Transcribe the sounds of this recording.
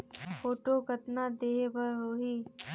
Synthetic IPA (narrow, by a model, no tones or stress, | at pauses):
foːʈoːkət̪naːd̪eːebəɾɦoːɦiː